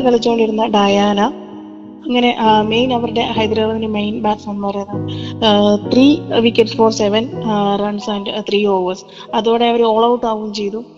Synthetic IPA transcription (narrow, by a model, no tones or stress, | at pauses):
kɐɭit͡ɕːukoɳɖiɾunːɐɖajaːnɐ | ɐŋːɐne̞ʔme̞jnɐʋɐɾuɽe̞hɐjd̪ɾaːʋɐðinemejnbaːʈsɐnpɐrɐjnːaɳɖɨ | t̪riːʋikʲːeɖfo̞ːrseʋɐnrɐɳɖsɐːnɖt̪riːo̞ːʋɐrs | ɐðuoːɽeɐʋɐɾoːɭɐwʈːaːɣumt͡ɕe̞jt̪u